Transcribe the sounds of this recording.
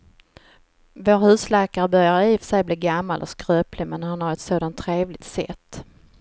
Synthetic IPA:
voːɾhʉ̟ːslæːkaɾəbœɾjaɾəiːfsɛjbliːɾɡamːalʔɔ̰skɾøːplɪmɛnːaɾhanhaɾɛt̪soːd̪ant̪ʰːɾeːvlɪt̪sɛ̰t̪ː

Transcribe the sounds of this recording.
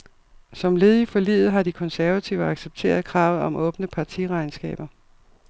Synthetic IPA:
sɒ̽mle̝ːð̞ˠifɒ̽lḭːð̩ˠɦɑ̈d̥ikʰɒ̽nsæɐæt͡sʰiʊəɑ̈ɡ̥seb̥̚t͡sʰe̝̰ːɐðˠkʰʁɑ̈ʊð̩ˠɒ̽mʔɔ̽ːb̥nəpʰɑ̈t͡sʰiʁɑ̈ɪnsɡ̥ɛ̰ːb̥ɐ

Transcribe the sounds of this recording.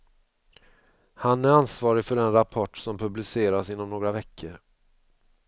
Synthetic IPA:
hanæɾansvɑːɾɪɡfœɖɛnɾapʰɔʈːsɔmpʰɵblɪseːɾasɪnːɔmnoːɡɾavɛkʰːəɾ

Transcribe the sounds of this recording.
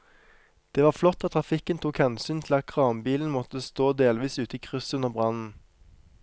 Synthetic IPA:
d̪̥eːʋɑːʁflɔt̪ːɑt̪̚t̪ːʰʁɑfɪkənt̪ʰuːkhɛnsyːnt̪ʰɪlɑt̪̚kʰʁɑːmbiːln̩mɔt̪əst̪oːd̪eːlʋiːsʉːt̪əiːkʰʁʏsʉnəʁbʁɑnn̩

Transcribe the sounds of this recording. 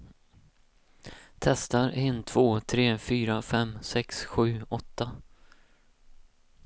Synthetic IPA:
t̪ʰɛst̪aɾɪnt̪ʰv̥oːt̪ʰɾeːfyːɾafɛmsɛksɧʉ̟ːɔt̪ːa

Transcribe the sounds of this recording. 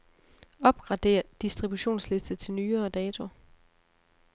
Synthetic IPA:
ɒ̽b̥̚ɡ̥ʁɑ̈d̥e̝̰ːɐd̥isd̥ʁib̥uɕo̝̰ːnsle̝sd̥ət͡sʰe̝lnyːɐːd̥ɛːt͡sʰo̝

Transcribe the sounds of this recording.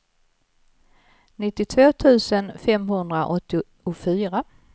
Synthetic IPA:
nɪt̪ːɪt̪ʰvoːt̪ʰʉ̟ːsənfɛmɦɵnd̪ɾaʔɔt̪ːɪ | ʊfyːɾa

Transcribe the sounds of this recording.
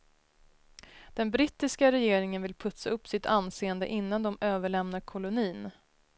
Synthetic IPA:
d̪̥ɛnbɾɪt̪ːɪskaɾɛjeːɾɪŋənvɪlpʰɵt̪saɵpːsɪt̪ʰanseːənd̪ə̰ʔɪnːand̪ɔmøːvəɭɛmnaɾkʰɔlʊniːn

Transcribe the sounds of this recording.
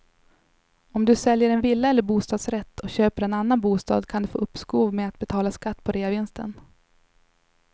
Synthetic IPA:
ɔmd̪ɵsɛljəɾɛnvɪlːaɛlːəɾbuːst̪ɑːd̪sɾɛt̪ːɔɕøːpəɾɛnanːanbuːst̪ɑ̰ːd̪kʰand̪ɵfo̰ːɵpːskuːvmeːat̪̚bɛt̪ʰɑːlaskat̪ːpʰɔɾeːavɪnst̪ə̰n

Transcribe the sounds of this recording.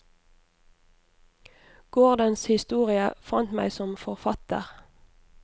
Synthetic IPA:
ɡ̥ɔʁd̪ənshɪst̪uːʁɪəfɑnt̪mæ̰ɪsɔmfɔʁfɑt̪ə̰ʁ

